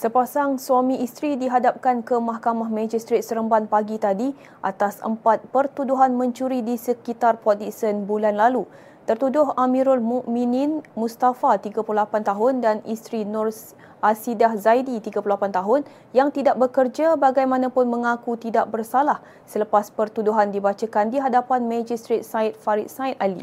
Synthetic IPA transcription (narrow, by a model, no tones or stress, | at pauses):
səpasaŋsuamĩʔist̪ɾidiɦadap̚kankəmahkamahmãd͡ʒist̪ɾet̪̚səɾəmbanpaɡit̪adi | ʔa̰t̪asə̰mpat̪̚pərt̪uduɦanmə̃ɲt͡ʃuɾidisəkit̪arpɔt̪̚isənbulanlalu | t̪ərt̪udʊɦamĩɾʊlmuʔmĩninmũst̪afat̪iɡapulolapant̪aɦʊndanist̪ɾinɔrs | ʔasidahzajdit̪iɡapulolapant̪aɦʊn | jaŋt̪idaʔ̚bəkərd͡ʒabaɡajmãnãpʊnmə̃ŋakut̪idaʔ̚bərsalah | sələpaspərt̪uduɦandibat͡ʃakandiɦadapanmãd͡ʒist̪ɾet̪̚sait̪̚faɾit̪̚sait̪alḭ